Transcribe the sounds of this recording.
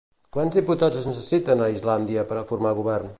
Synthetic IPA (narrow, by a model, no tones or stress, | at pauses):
kwanzðiput̪azəznəsəsit̪ənəizland̪iəpəɾəfuɾmaɣuβɛrn